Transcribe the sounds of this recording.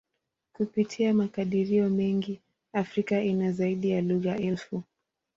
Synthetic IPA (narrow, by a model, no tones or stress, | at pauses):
kupitʰiamakaɗiɾiɔmɛŋɡi | afɾikaʔinazaiɗijaluɣaʔɛlfu